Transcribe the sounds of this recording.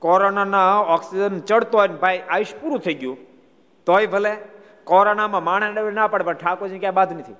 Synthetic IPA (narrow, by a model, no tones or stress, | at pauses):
kɔɾonanaɔksid͡ʒənt͡ʃəɽt̪oɦɔjnbʱajʔaʋiʃpuɾũt̪ʰəiɡjũ | t̪ojbʱəle | kɔɾonamãmaɳ̃enɗəʋenapəɽepəɳʈʰakod͡ʒʰnĩkãbad̪nət̪ʰiu